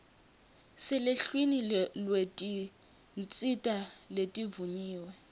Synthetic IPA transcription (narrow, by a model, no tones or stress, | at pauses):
sɪleɬwinilwetʼi | nt͡sʼitʼaletʼivuɲiːwɛ